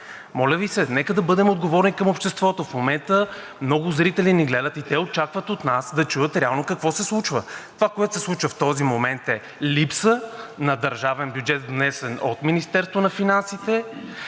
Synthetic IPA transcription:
mɔlʲəvisɛnɛkəd̪ɐbɤd̪ɛmod̪ɡovɔɾnikəmopʃt̪ɛst̪vɔt̪ofmomɛnt̪ə | mnɔɡʊzɾit̪ɛliniɡlɛd̪ət̪it̪ɛot͡ʃakvət̪ot̪nasd̪ɐt͡ʃujət̪ɾɛalˠnokɐkvɔsɛslˠut͡ʃvət̪ovakoɛt̪o̥sɛslˠut͡ʃvəft̪ɔzimomɛnt̪ɛ | lipsənɐd̪ɐɾʒavɛnbjud͡ʒɛt̪vnɛsɛno̰t̪minist̪ɛɾst̪vonɐfinansit̪ɛ

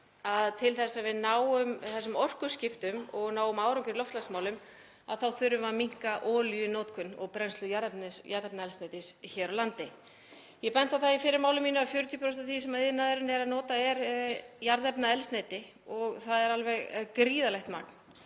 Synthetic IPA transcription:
aðt̪ʰɪlθɛsːavɪðnaːwʏmθɛsːʏmɔr̥kʏscɪft̪ʏmɔɣnaːwʏmaːwɾɔŋkɪɾlɔwft̪lasmaːwlʏm | aðθawθʏɾːʏvamiŋ̥kaʔɔːljʏnɔːt̪kʰʏnːɔ̰ɣpɾɛnslʏjaɾðɛpnɪjaɾðɛpnaɛlsnejt̪ɪsçɛːɾawlant̪ɪ | jɛpɛnt̪aθaifɪːɾɪɾmaːwlʏmiːnʏafjʏɾʏt̪ʰjɔpʰɾɔwst̪aθisɛmaðɪðnːaðʏɾɪnɛɾaðnɔːt̪aɛɾjaɾðɛpnaɛlst̪nejt̪ɪ | ɔɣθaðɛɾalvɛɣkɾiːðalɛht̪ma̰k̚n̥

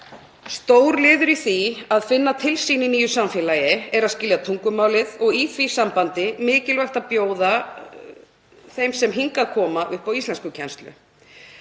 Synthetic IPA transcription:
st̪oːwɾlɪːðʏɾiθiaðfɪnːat̪ʰɪlsininiːjʏsamfjɛlajɪɛɾaðscɪljat̪ʰuŋkʏmaːwlɪðɔɣiθvisampant̪ɪmɪːcɪlvajxt̪aðpjoːwða | θejmsɛmɦiŋkakʰɔːmaʔʏhpawist̪lɛnskʏcʰɛnst̪lʏ̰

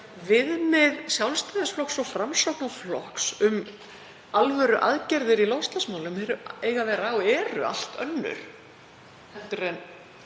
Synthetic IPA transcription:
vɪðmɪðsjawlst̪ajðɪsflɔxksɔfɾamsɔwknaflɔhksʏm | alvœːɾʏʔa̰ðcɛɾðɪɾilɔwst̪asmaːwlʏmhɛɾʏeːjɣavɛːɾaːwɛːɾʏ̰a̰l̥t̪œ̰nːʏ̰ɾ̥ | θɛt̪ʏɾɛn

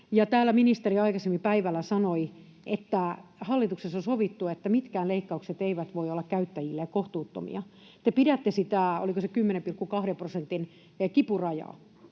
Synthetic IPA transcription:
jɑt̪æːlːæminist̪eriɑikɑsemːipæiʋælːæsɑnoi | ʔet̪ːæhɑlːit̪uksesːosoʋit̪ːuet̪ːæmit̪kæːleikːɑukset̪eiʋæt̪ʋoiolːɑkkæyt̪ːæjilːekoht̪uːt̪ːo̰mḭɑ | t̪epiɾæt̪ːesit̪æˑo̰likosekymːenempirkːukɑhɾemprosent̪in | kipurɑjɑ̰ːˑ

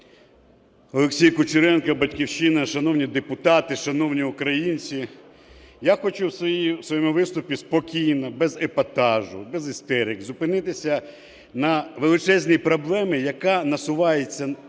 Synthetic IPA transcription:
ɔlˠeksʲijkʊt͡ʃʊɾɛnkɐbɐtʲkʲiwʃɪnɐʃɐnɔwnʲid̪epʊt̪ɑt̪ɪʃɐnɔwnʲiʊkɾɐjinʲt͡sʲi | jaxɔt͡ʃuwsisʋɔjɔmʊʋɪst̪ʊpʲispɔkʲijnɐbɛzepɐt̪ɑʒʊbɛzɪst̪ɛɾʲɪkzʊpɪnɪt̪ɪsʲɐ | nɐʋelˠɪt͡ʃɛzʲnʲijpɾɔblˠɛmɪjɐkanɐsʊʋɑjet͡sʲːɐ

